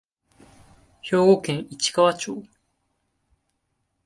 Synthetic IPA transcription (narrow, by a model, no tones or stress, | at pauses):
ço̞ːɡokẽŋit͡ɕi̥kaβat͡ɕoː